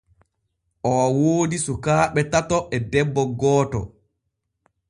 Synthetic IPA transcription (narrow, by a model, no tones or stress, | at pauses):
ʔɔawoːdisukaːɓɛtatɔʔɛdɛbːɔɡɔːtɔ̰